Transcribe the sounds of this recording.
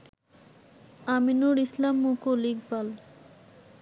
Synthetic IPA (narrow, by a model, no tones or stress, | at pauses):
aminuɾislamːukoliɡbal